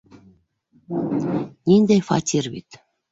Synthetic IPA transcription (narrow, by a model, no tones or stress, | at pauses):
nʲinʲd̪ejfɑ̰t̪ʲirβʲḭt̪